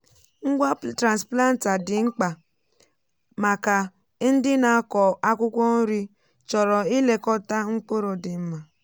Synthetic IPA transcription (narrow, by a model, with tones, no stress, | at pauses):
ŋ̩˦ɡʷa˦tɾa˨nspla˦n̩˨ta˨dɪ˨ŋ͡m̩˦k͡pa˨ | ma˨ka˨ | n̩˦dɪ˦na˨˦kɔ˨a˦kʷʊ˦kʷɔ˦n̩˦ɾi˦ | t͡ʃɔ˨ɾɔ˨i˦le˨kɔ˦ta˦ŋ̩˦k͡po˦ɾo˨dɪ˨m̩˦ma˨